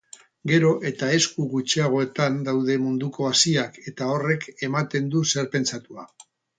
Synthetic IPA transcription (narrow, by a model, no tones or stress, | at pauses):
ɡe̞ɾo̞ʔe̞t̪ae̞skuɣut͡ʃeaɣ̞o̞e̞t̪and̪awð̞e̞mund̪uko̞asiake̞t̪ao̞re̞ke̞mat̪e̞nd̪use̞ɾpe̞nt͡sat̪ua̰